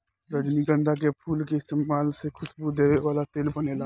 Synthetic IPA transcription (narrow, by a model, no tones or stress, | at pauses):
ɾəd͡ʒniɡə̃nd̪ʱak̬epʰuːlkeɪst̪eːmaːlsekʰʊsbud̪eːʋeʋaːlat̪eːlbənela